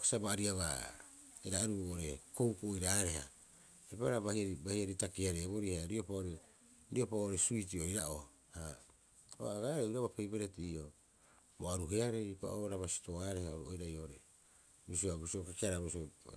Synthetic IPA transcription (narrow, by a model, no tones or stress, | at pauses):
ke̥sabaːɾiaβa̰ | eɾaeɾuoɾeko̞wkuojɾaːɾe̞ha̰ | ebaɾaβahiaibahiaɾitakiaɾebo̞ɾihaɾiopaoɾe | ɾio̞paooɾesuitio̞iɾaʔo | ha | oaɡaɾeuɾaβapejbeɾetiio | boaɾuɦeaɾepa̰ʔoɾaβasi̥to̞aɾe̞haoɾuojɾajooɾe | bisioabusiokakeaɾaβosio